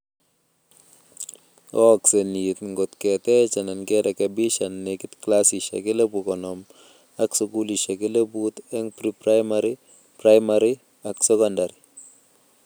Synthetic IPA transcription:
ɔ˦kse˨nit̪ŋɡo˨t̪kɛ˨t̪ɛ˦t͡ʃɛ˨na˨nkɛ˦ɾa˨kɛbi˦ʃanːe˨kɪ˦t̪klasi˨ʃa̰˨ke˦le˦bukɔnɔm | a˦ksuku˦li˨ʃa˨ke˦le˦but̪ɛ˦ŋpɾipɾajmaɾi | pɾajmaɾi | a˨ksɛkɔndaɾi

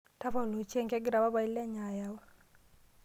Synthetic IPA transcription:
ta˦pɔ˦˨lu˨t͡ʃe˦ŋkɛ˦ɡɾa˨ba˦ba˨i˦lɛ˦ɲa˨ja˦wa˦

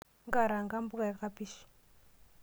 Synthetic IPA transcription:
ŋɡa˨ɾa˨ŋɡa˦mbu˦ka˨i˦ka˦pi˦ʃi̥˨

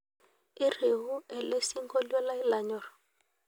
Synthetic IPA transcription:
i˦re˨ɦu˦e˨le˦si˦ŋɡo˦lɛ˦la˦i˦la˨ɲɔ˨rɔ

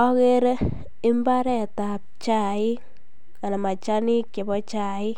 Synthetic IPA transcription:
ɔ˦ke˦ɾ | ɪ˦mba˦ɾɛ˦˨ta˨p̚t͡ʃa˨ɪ˦ | ŋa˨na˨ma˨t͡ʃa˦ni˦ke˨bɔ˦t͡ʃa˦ɪ˦

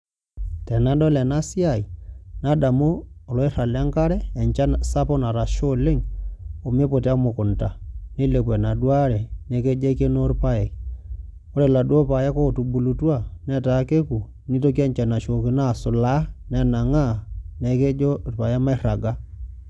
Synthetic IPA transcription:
tɛ˨na˨˦dɔ˦lɛ˨na˦si˦a˨i˨na˦da˨moː˦˨lɔ˨˦i˦ɾa˨la˦ŋka˦ɾɛ˦ɛ˨ɲt͡ʃa˦nsa˦pɔ˦na˨ɾa˨ʃo˦lɪ˦ŋo˨me˦po˨ta˦mʊ˨kʊ˨nta˨ne˦le˨p̬ɛ˨na˨dwa˦ɾɛ˨ne˨ke˦d͡ʒe˦ke˦no˦rpa˦je˨ | o˦ɾe˨la˨dwo˦pa˨ja˦ko˦˨tu˨bu˨lu˨twa˦nɛ˦ta˨˦ke˦ku˨ | ni˦to˦k̬i˦ɛ˦ɲt͡ʃa˨na˨ʃo˨ki˦na˦˨sʊ˨la˦nɛ˨na˨ŋa˦˨nɛ˨ke˦d͡ʒo˦rpa˨ja˦ma˦i˦ɾa˨ɡa˦

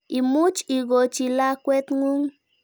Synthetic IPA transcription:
i˨mu˦t͡ʃi˨ɡo˨t͡ʃi˨la˦kʷe˦t̪ŋu˦ŋ

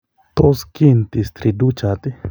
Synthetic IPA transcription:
t̪o˦ski˦nt̪i˨st̪ɾi˧du˦t͡ʃa˨t̪i˦

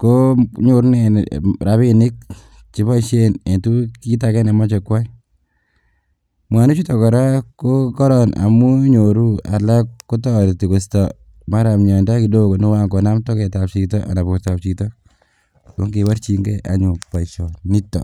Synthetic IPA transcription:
koɲo˨ɾneɾa˨βɪnɪ˦k̚ | t͡ʃi˨˦pa˦ʃene˨ntu˦ki˦ta˨kɛ˦nɛ˨ma˦t͡ʃɛ˨kwa˦ | mwa˨ne˦t͡ʃu˦tɔ˨kɔ˨ɾa˦ko˦kɔ˦ɾɔna̰˨mu˦ɲoɾu˦a̰˨la˦kːu˦tɔ˦ɾti˨ku˨sta | ma˦ɾa˨mɲɔ˨nta˦ki˨do˦ko˨no˦wa˦ŋkɔ˨na˦mtɔ˦kɛ˨ta˨pt͡ʃi˨tɔ˦ʔa̰˨na˨pɔ˨ta˨pt͡ʃi˨tɔ˦ | bo˦ŋɡiwa˦ɾt͡ʃi˨ŋɡe˦ʔa̰˨ɲʊ˨pa˨iʃɔ˨ni˦tːɔ̰˨

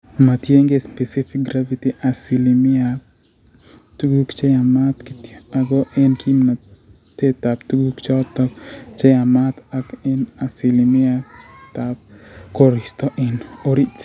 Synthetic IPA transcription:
ma˨tje˦ŋɡe˦spe˨sifik̚ɡɾavi˦ti˦ʔa˨si˨limɪa | tuɡu˦kt͡ʃe˦ja˨ma˦t̪kita˨ɡo˦ʔɛ˦nkʰimna | te˦t̪a˨pt̪u˦ɡu˦kt͡ʃɔ˦t̪ɔkt͡ʃe˦ja˨ma˦t̪akɛna˨si˨limɪ˦at̪ap̚kɔ˦ɾist̪ɔ˦ʔɪno˦ɾi˦t͡ʃ

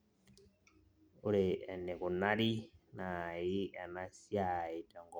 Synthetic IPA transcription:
u˦ɾe˨a˨nɛ˨ku˨na˦ɾi˦na˨ji˦a˨na˦si˦a˦˨i˨ta˨ŋɡɔ˨

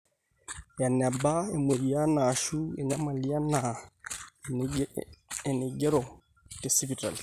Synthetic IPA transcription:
ja˨na˨ba˦e˨me˨ɾi˨a˦naː˨ʃu˦e˨ɲa˦ma˨li˦a˦na˨ | e˨ne˨ɡɛ˦ɾɔ˨ | te˨si˦pi˨ta̰˨li˨

